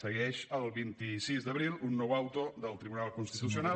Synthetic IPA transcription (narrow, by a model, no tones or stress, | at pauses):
səɣɛʃəlˠβint̪isizd̪əβɾilˠunːɔwawt̪oðəlˠt̪ɾiβunalˠkunst̪it̪usiona